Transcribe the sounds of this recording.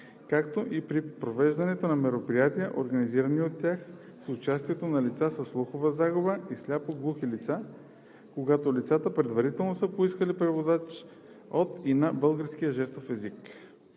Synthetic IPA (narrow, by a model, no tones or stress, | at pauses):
kakt̪oʔipɾipɾovɛʒd̪ɐnɛt̪onɐmɛɾopɾijat̪ijəʔoɾɡɐniziɾɐniot̪ːʲjax | sʊt͡ʃast̪iɛt̪onɐlit̪sasəsːlˠuxovəzaɡʊbəislʲapoɡlˠuxilit̪sa | koɡat̪olit̪sat̪əpɾɛd̪vɐɾit̪ɛlˠnosəpoiskəlipɾɛvod̪at͡ʃ | ot̪inɐbɤlˠɡəɾskijəʒɛst̪ofɛzik